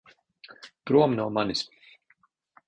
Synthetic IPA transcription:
pɾuɔmnumanis

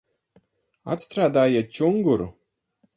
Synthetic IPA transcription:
a̰t̪st̪ɾaːd̪aːjat͡ɕuŋɡuɾ

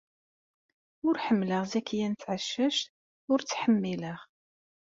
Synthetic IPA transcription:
ʊɾħəmːləʁzækːjænt͡sːʕəʃːæʃt̪ | ʊɾt͡sːħəmːiləʁ

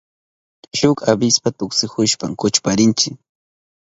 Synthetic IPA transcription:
ʃʊkabɪspat̪ʊksɪxʊʃpaŋkʊt͡ʃpaɾɪnt͡ʃɪk

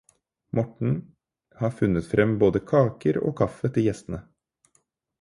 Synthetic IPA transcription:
mɔʈɳ̩ | hɑːɾfʉnːət̪fɾʔɛmboːd̪əkʰɑːkəɾo̰ːkʰɑfət̪ʰɪjɛst̪ən̩ə

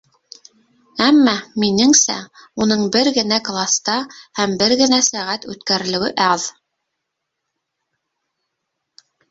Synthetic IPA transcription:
æmːæminɘŋsæ̰unɤɴbɘɾɡɘ̆næklˠast̪ɑhæmbɘɾɣɘ̆næsæʁæt̪ʉ̰t̪kæɾɘ̆lɘ̆wɘʔɑð

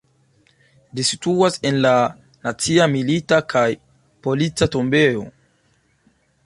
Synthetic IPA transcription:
disituase̞nla | nat͡siamilitakʰaj | po̞lit͡sato̞mbe̞o̞̰

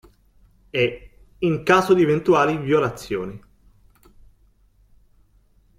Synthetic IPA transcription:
ɛ | iŋkaːzod̪ievent̪uaːlivjolat̪sːjo̰ːni

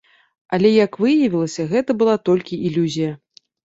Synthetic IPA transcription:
ɐlʲɛjɐkvɨjɐvʲilˠɐsʲɐɣɛt̪ɐbɨlˠat̪ɔlʲkʲiʔilʲuzʲijɐ

